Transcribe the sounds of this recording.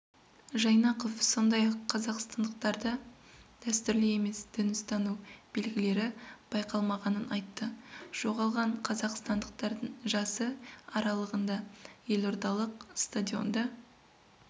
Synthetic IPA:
ʒɑjnɑqofso̞nd̪ɑjɑqʰːɑzɑqst̪ɑnd̪əq̚t̪ɑɾd̪ə | d̪̥æst̪ʏɾlɪe̞me̞sd̪̥ʏnɪst̪ɑnub̥e̞lɡʲɪle̞ɾɪb̥ɑjqɑlˠmɑʁɑnənʔɑjt̪ːəʒ̥o̞ʁɑlˠʁɑɴqʰɑzɑqst̪ɑnd̪əq̚t̪ɑɾd̪əɴʒɑsəɑɾɑlˠəʁənd̪ɑje̞lo̞ɾd̪ɑlˠəqst̪ad̪ʲio̞̰nd̪ɑ

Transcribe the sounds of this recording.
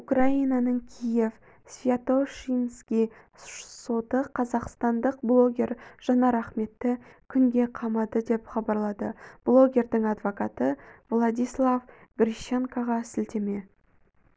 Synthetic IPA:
ukrainɑnəɴkʲʰije̞v | svʲjat̪o̞ʃinskʲij | so̞t̪əqʰɑzɑqst̪ɑnd̪əq̚blˠo̞ɡʲe̞rʒ̥ɑnɑɾɑχme̞t̪ːɪkʲʰʏŋɡʲe̞qʰɑmɑd̪əd̪e̞pχɑbɑɾlˠɑd̪ə̰b̥lˠo̞ɡʲe̞ɾd̪ɪŋɑd̪vo̞kɑt̪əvlˠɑd̪ʲijslˠavɡrʲiʃeŋkaʁɑsɪlt̪e̞me̞

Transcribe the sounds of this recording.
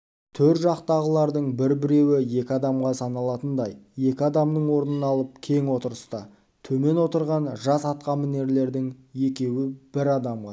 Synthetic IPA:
t̪ʰɵɾt̪ʒɑqt̪ɑʁəlˠɑɾd̪əɴbɪɾbɪɾe̞wɪje̞kʲɪɑd̪ɑmʁɑsɑnɑlˠɑt̪ənd̪ɑjje̞kʲɪɑd̪ɑmd̪əɴwo̞ɾənənɑlˠəp̚kʲʰe̞ŋwo̞t̪əɾəst̪ɑ | t̪ʰɵme̞nwo̞t̪əɾʁɑnʒɑsɑt̪̚qɑmɪne̞ɾle̞ɾd̪ɪŋje̞kʲe̞wɪb̥ɪɾɑd̪ɑmʁɑ

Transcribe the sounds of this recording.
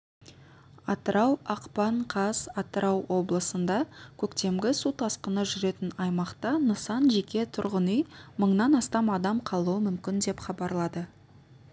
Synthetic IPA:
ɑt̪əɾʔɑwɑqpɑɴqʰɑzɑt̪əɾʔɑwwo̞blˠəsənd̪ɑkʲʰɵkt̪e̞mɡʲɪsut̪ʰɑsqənəʒʏɾe̞t̪ɪnɑjmɑqt̪ɑnəsɑnʒe̞kʲe̞t̪ʰʊɾʁənijməɴnɑnɑst̪ɑmɑd̪ɑmqʰɑlˠuwəmʏmkʲɪnd̪e̞pχɑbɑɾlˠɑd̪ə

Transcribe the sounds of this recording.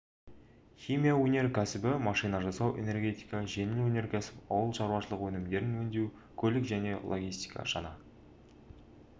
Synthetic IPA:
χʲijmʲijawɵne̞ɾkʲʰæsɪbɪmɑʃɨjnɑʒɑsɑwʔe̞̰ne̞rɡʲe̞t̪ijkɑʒenwɵne̞ɾkʲʰæsɪ̥pɑwəlˠʃɑɾwɑʃəlˠəqwɵnɪmd̪e̞ɾɪnwɵnd̪e̞ | kʲʰɵlɪkʒæne̞lˠoɡʲijst̪ijkʰɑ̰ʃɑ̰nɑ

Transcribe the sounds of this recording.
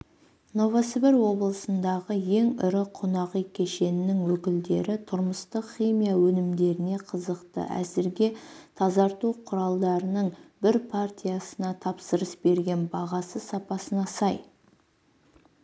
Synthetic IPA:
no̞vasbeɾwo̞blˠəsənd̪ɑʁəje̞ŋʏɾɪqʰonɑʁijkʲʰe̞ʃe̞nɪnɪŋwɵkʲɪld̪e̞ɾɪt̪ʰʊɾməst̪əqχijmijawɵnɪmd̪e̞ɾɪne̞qʰəzəqt̪ə̰ʔæ̰zɪɾɡʲe̞t̪ʰɑzɑɾt̪uqʰʊɾɑlˠd̪ɑɾənəɴbɪɾpʰart̪ʲijasənɑt̪ʰɑpsəɾəsbe̞ɾɡʲe̞nbɑʁɑsəsɑpɑsənɑsɑj

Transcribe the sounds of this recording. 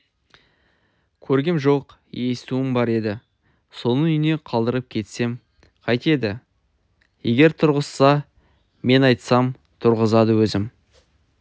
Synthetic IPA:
kʲʰɵɾɡʲɪmʒo̞q | je̞st̪uɪmbɑɾe̞d̪ɪ | so̞nənʏjne̞qʰɑlˠd̪əɾəp̚kʲʰe̞t̪se̞m | qʰɑjt̪e̞d̪ɪ | je̞̰ɡʲe̞ɾt̪ʰʊɾʁəssɑ | me̞nɑjt̪sɑm | t̪ʰʊɾʁəzɑd̪əwɵzɪm

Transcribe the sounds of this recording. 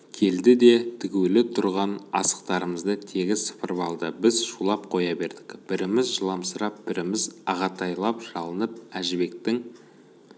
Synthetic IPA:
kʲʰe̞ld̪ɪd̪e̞t̪ʰɪɡʲewlɪt̪ʰʊɾʁɑnɑ̰sə̥qt̪ɑɾəməzd̪ət̪ʰe̞ɡʲɪsə̥pəɾbɑlˠd̪əbɪzʃulˠɑp̚qʰo̞jɑbe̞ɾd̪ɪ̥kb̥ɪɾɪmɪzʒəlˠɑmsəɾɑp̚b̥ɪɾɪmɪzɑʁɑt̪ʰɑjlˠɑpʒ̥ɑlˠənəp̚æʒɪbe̞k̚t̪ɪŋ

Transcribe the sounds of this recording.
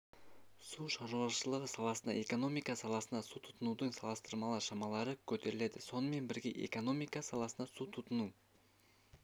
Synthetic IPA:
suʃɑɾlˠɑʃəlˠəʁəsɑlˠɑsənɑ̰ʔe̞ko̞no̞mijkɑsɑlˠɑsənɑsut̪ʰʊ̥t̪ənud̪əɴsɑlˠəst̪əɾmɑlˠɑɾʃɑmɑlˠɑɾəkʲʰɵt̪e̞ɾɪled̪ɪso̞nəme̞nbɪɾɡʲe̞ʔe̞̰ko̞no̞mijkɑsɑlˠɑsənɑsut̪ʰʊt̪ənu

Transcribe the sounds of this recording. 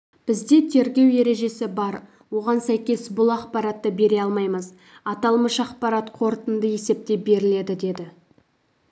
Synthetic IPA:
b̥ɪzd̪e̞t̪ʰe̞ɾɡʲe̞wje̞ɾe̞ʒe̞sɪbɑɾ | wo̞ʁɑnsæjkʲe̞sbʊlˠɑqpɑɾɑt̪ːəbe̞ɾe̞ɑlˠmɑjməz | ɑt̪ɑlˠməʃɑqpɑɾɑt̪qʰo̞ɾt̪ənd̪əje̞se̞p̚t̪e̞be̞ɾɪle̞d̪ɪd̪e̞d̪ɪ

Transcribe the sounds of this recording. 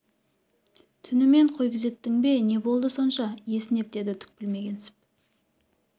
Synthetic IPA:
t̪ʰʏnɪme̞ɴqʰo̞jkʲɪze̞t̪ːɪŋbe̞ne̞bo̞lˠd̪əso̞nʃɑje̞sɪne̞p̚d̪e̞d̪ɪt̪ʰʏ̥k̚ʲpɪlme̞ɡʲe̞nsɪ̥p̚

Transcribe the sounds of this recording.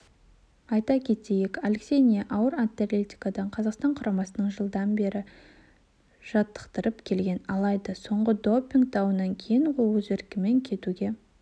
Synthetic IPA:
ɑjt̪ɑkʲʰe̞t̪ejekalʲeksʲe̞jnʲijaʔɑwəɾant̪ːelʲet̪ʲi̥kad̪ɑɴqʰɑzɑqst̪ɑɴqʰʊɾʔɑmɑsənəɴʒəlˠd̪ɑnbe̞ɾɪ | ʒ̥ɑt̪ːə̥qt̪əɾəpkʲʰe̞lɡʲe̞nɑlˠɑjd̪əso̞ɴʁəd̪o̞pʲːiŋk̚t̪ʰɑwənɑŋkʲʰejɪɴʁowɵzeɾkʲɪme̞ŋkʲʰe̞t̪uɡʲe̞

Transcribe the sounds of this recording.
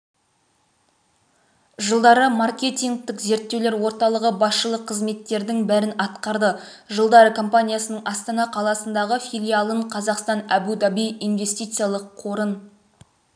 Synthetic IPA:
ʒəlˠd̪ɑɾəmarkʲe̞t̪iŋɡ̚t̪ɪkze̞ɾt̪ːewle̞ɾwo̞ɾt̪ɑlˠəʁəbɑsʃəlˠəqʰːəzme̞t̪ːe̞ɾd̪ɪŋbæɾɪnɑt̪qɑɾd̪ə | ʒəlˠd̪ɑɾəkʰo̞mpanʲijasənəɴɑst̪ɑnɑqʰɑlˠɑsənd̪ɑʁəfʲijlʲijalˠəɴqʰɑzɑqst̪ɑnæbud̪ɑbijijnve̞st̪ijt̪sɨjalˠəqʰːo̞ɾən

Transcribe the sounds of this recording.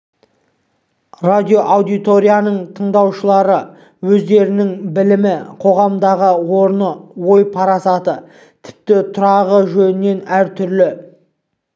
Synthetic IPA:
rad̪ʲijo̞ʔawd̪ijt̪o̞ɾʲijanəɴt̪ʰəɴd̪ɑwʃəlˠɑɾə | wɵzd̪e̞ɾɪnɪŋbɪlɪmɪqʰo̞ʁɑmd̪ɑʁəoɾnəwo̞jpʰɑɾɑsɑt̪ə | t̪ʰɪ̥p̚t̪ɪt̪ʰʊɾɑʁəʒɵnɪnːe̞næɾt̪ʰʏɾlɪ

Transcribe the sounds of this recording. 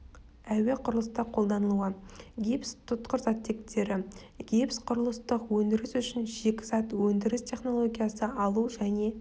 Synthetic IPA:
æwe̞qʰʊɾəlˠəst̪əqʰːo̞lˠd̪ɑnəlˠuəɡʲepst̪ʰʊt̪qəɾzɑt̪ːe̞kt̪ʰe̞ɾɪ | ɡʲepsqʰʊɾəlˠəst̪əqwɵnd̪ɪɾɪsʏʃɪnʒe̞kʲɪ̥zɑt̪wɵnd̪ɪɾɪst̪ʲʰe̞χno̞lˠo̞ɡʲijɑsəʔɑlˠuʒæne̞

